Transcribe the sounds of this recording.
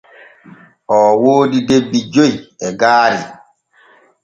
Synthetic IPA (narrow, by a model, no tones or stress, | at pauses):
ʔɔːwoːdidebːid͡ʒojɛɡaːɾi